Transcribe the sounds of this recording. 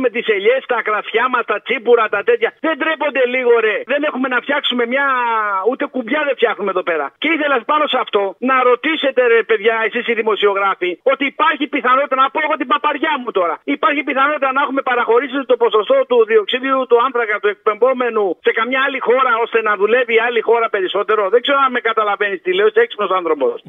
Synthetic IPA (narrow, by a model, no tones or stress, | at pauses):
me̞t̪ise̞ʎe̞st̪ɐkɾɐsçɐmɐst̪ɐt͡sipuɾɐt̪ɐt̪e̞t̪çɐðe̞nd̪ɾepo̞nd̪e̞liɣo̞ɾe̞ðe̞ne̞xume̞nɐft̪çɐksume̞mɲɐut̪e̞kumbʝɐðeft̪çɐxnumeðo̞pe̞ɾɐ̰ce̞iθe̞lɐspɐno̞sɐft̪o̞nɐɾo̞t̪ise̞t̪e̞pe̞ðʝɐe̞sisiðimo̞sio̞ɣɾɐfio̞t̪iːpɐɾçipiθɐno̞t̪it̪ɐnɐpo̞eɣo̞t̪ibɐpɐɾʝɐmut̪o̞ɾɐipɐɾçipiθɐno̞t̪it̪ɐnɐexume̞pɐɾɐxo̞ɾisit̪o̞po̞so̞st̪o̞t̪uðio̞ksiðiut̪uɐnθɾɐkɐt̪ue̞k̚pe̞ɱbo̞me̞nuse̞kɐmɲɐːlixo̞ɾɐo̞st̪e̞nɐðule̞viːalixo̞ɾɐpe̞ɾiso̞t̪e̞ɾoðeɡze̞ɾoɐmekɐt̪ɐlɐve̞nist̪ileoiseksi̥pnosɐnθɾo̞po̞̰s